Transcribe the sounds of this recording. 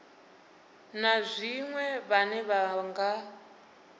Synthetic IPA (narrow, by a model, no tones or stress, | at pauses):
nazʷiŋwɛβanɛβaŋɡa